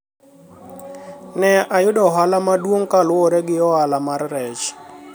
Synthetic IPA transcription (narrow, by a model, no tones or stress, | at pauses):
nɛajʊdɔɦalamadwoŋkalɔɾɛɡɪɔalamarːɛt͡ʃ